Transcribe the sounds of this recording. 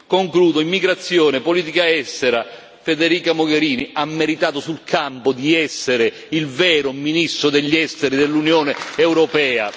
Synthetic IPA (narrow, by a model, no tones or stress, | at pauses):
koŋkluːd̪oimːiɡɾat̪sːjɔːnepolit̪ikaɛst̪ɛɾa | fed̪eɾiːkamoɡeɾiːniamːeɾit̪aːt̪ʊsulkʰampʊd̪iɛsːeɾɪ | ilvɛːɾʊminist̪ɾʊd̪eʎːɛst̪ɛɾid̪elːunjoːneɛwɾɔpɛːa̰